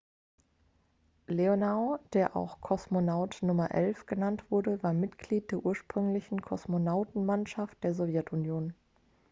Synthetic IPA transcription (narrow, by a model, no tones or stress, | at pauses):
leonaʊd̥eːɐʔa̰ʊxkʰɔsmonaʊtnʊmɐʔɛlfɡ̥ənantv̥ʊɐɾəvaːɐmɪtɡ̥liːt̚d̥eːɐʔuːɐʃpʁ̥ʏŋlɪçn̩kʰɔsmonaʊtn̩manʃaft̚d̥eːɐzɔvjɛtʊnjoːn